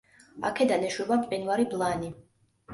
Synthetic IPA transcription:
a̰kʰɛd̪anɛʃwɛbamqʼinvaɾiblˠani

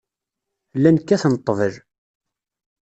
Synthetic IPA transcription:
lːænkːæθnət̪ˤːəvəl

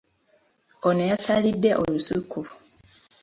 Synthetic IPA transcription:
onejasalidːeʔolusuku

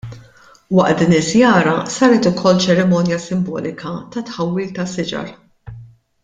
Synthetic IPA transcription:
wɐʔt̪d̪ɪːnɪzjɐːɾɐsɐːɾɛt̪ʊkʰɔlːt͡ʃɛɾɛmɔːnjɐsɪmbɔ̰ːlɪkʰɐt̪ɐt̪ħɐwːɪːlt̪ɐsɪd͡ʒɐ̰ɾ

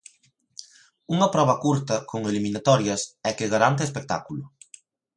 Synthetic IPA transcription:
uŋɐpɾɔβ̞ɐkuɾt̪ɐkʰoŋeliminat̪ɔɾjɐsɛkɪɣaɾant̪ɪespek̚t̪a̰kulʊ

